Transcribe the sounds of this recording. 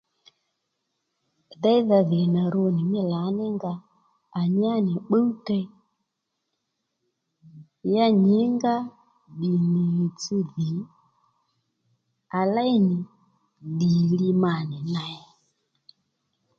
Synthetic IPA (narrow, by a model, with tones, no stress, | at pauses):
ða˦i˦ða˨ði˨na˨ɾo˦˧˨ni˨mɪ˦la˨˦nɛ˦ŋɡaː˧˨ | ɲ˦a˦nɪ˨ɓə˦tɛ˧˦ | ja˦ɲi˨˦ŋɡa˦ | ɗi˨ni˨t͡si˧ði˨˦ | a˨la˦i˦nɪ˨ | ɗi˨li˧ma˨nɪ˨na˨a˨